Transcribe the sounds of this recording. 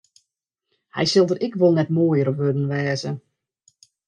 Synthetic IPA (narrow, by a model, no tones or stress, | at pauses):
hɛ̰jsɪlˠdərʔɪkʋolˠnɛtmoːəjəɾəʋødən̩ʋɛːzə